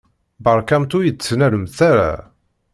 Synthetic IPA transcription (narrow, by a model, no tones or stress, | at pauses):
bəɾˤkæmt̪ujət͡sːənæɾəmθæɾa̰